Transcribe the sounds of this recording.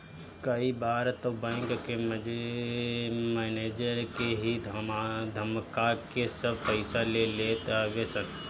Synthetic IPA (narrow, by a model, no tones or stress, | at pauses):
kəibaːɾt̪obɛ̃ːŋkkem | mɛːneːd͡ʒəɾkeɦid̪ʱd̪ʱəmkakesəb̚pəɪsalelet̪aɡesən